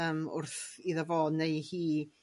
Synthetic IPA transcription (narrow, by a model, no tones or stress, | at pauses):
əmʊ̰rθiðəvoːdnejhiː